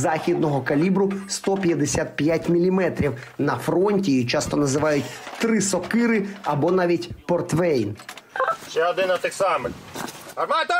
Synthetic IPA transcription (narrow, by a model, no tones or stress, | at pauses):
zɑxʲid̪̚nɔɦɔkɐlʲibɾʊst̪ɔpʲjɐd̪esʲat̪̚pjatʲmʲilʲimɛt̪ɾʲiwnɐfɾɔnʲtʲijit͡ʃɑst̪ɔnɐzɪʋɑjʊtʲt̪ɾɪsɔkɪɾɪɐbɔnɑʋʲitʲpɔrt̪ʋɛjnʃɛɔd̪ɪnɐt̪ɪksɑmɪlʲɐmɑt̪ɐ